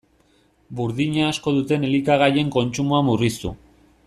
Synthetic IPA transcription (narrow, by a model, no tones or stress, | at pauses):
buɾðiɲaːsko̞ðut̪e̞nelikaɣ̞aje̞ŋko̞nt͡ʃumuamurist̪ṵ